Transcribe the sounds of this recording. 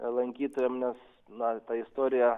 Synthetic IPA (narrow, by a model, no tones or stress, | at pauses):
lˠɐŋʲkʲiːt̪oːjɛmnʲɛs | nɐt̪ɑɪst̪oːɾʲɪjɛ